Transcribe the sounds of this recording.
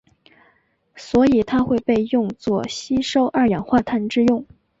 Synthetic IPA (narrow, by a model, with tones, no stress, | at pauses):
swɔ˧˥i˨˩t̪ʰa˥xwe˥˧ɪpe˥˧ɪjʊ˥˧ŋt͡swɔ˥˩ɕi˥ʂo˥ʊʔa˥˩jɑ˨˩ŋxwa˥˧t̪ʰa˥˧nʈ͡ʂɻ̩˥˧jʊ˥˩ŋ